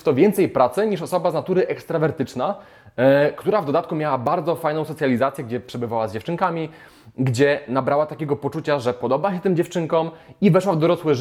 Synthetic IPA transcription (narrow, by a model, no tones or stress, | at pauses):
t̪ɔvʲjɛnt̪sɛjpɾat̪sɛɲiʂɔsɔbaznat̪uɾɘʔɛkst̪ɾavɛɾt̪ɘt͡ʂna | kt̪uɾavd̪ɔd̪at̪kumʲjawabaɾd̪zɔfajnɔ̃w̃sɔt̪sʲjalʲizat̪sʲjɛɡd͡ʑɛpʂɛbɘvawazd͡ʑɛft͡ʂɘŋkamʲi | ɡd͡ʑɛnabɾawat̪akʲɛɡɔpɔt͡ʂut͡ɕaʐɛpɔd̪ɔbaɕɛt̪ɘmd͡ʑɛft͡ʂɘŋkɔmivɛʂwavd̪ɔɾɔswɘ